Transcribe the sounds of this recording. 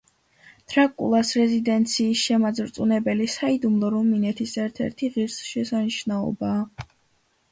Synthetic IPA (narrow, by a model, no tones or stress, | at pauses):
t̪ʰʼɾakʼṵlˠasɾɛzid̪ɛnt̪sʰiːsʃɛmad̪zvɾt̪sʼunɛbɛlisaid̪umlˠɔɾuminɛt̪ʰisɛɾt̪ʰɛ̰ɾt̪ʰiʁiɾsʃɛsaniʃnaɔ̰baː